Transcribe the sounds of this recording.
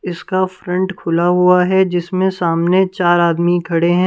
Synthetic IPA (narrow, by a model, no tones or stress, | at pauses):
ɪskafɾɐ̃ɳʈkʰʊlaɦuaɦɛd͡ʒɪsmẽsaːmnet͡ʃaːɾaːd̪mikʰɐɽeɦɛ̃ː